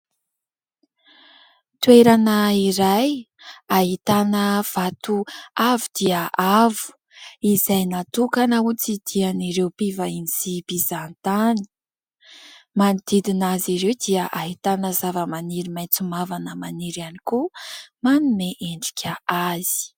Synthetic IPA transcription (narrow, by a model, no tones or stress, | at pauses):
t̪weɾanəiɾaj | aɦit̪anəv̥at̪uavud̪̥iəʔavu̥ | izajnat̪ukanaut͡sid̪̥ianiɾewpivainzibizant̪ani̥ | manid̪̥id̪inaziɾewd̪iəʔaɦit̪anəzavəmaniɾimajnt͡sumavanəmaniɾanikumanumeʔeɳɖ͡ʐi̥kʲʰəaz̥i̥